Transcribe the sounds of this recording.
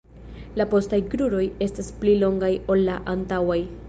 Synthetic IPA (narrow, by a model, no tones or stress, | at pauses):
lapo̞stajɡɾuɾo̞je̞stasplilo̞ŋɡajo̞lːaʔantawaj